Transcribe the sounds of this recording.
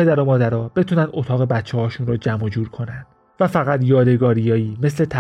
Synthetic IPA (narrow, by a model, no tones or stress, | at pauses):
e̞d̪æɾomɒːd̪æɾɒːbe̞t̪ʰuːnænd̪o̞t̪ʰɒːɣe̞bæt̪t͡ʃʰːehɒːʃunɾod͡ʒæmod͡ʒuːɾkʰo̞nændd̪̥ | væfæɣæt̪jɒːd̪e̞ɡɒːɾijɒːiːme̞sle̞t̪ʰæ